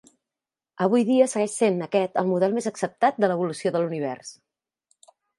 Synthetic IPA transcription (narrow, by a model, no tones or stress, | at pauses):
əβ̞ujðiəsəɣɛʃsenəkɛt̪əlˠmuðɛlˠmezəksəp̚t̪at̪̚d̪ələβ̞ulusioðəluniβ̞ɛ̰rs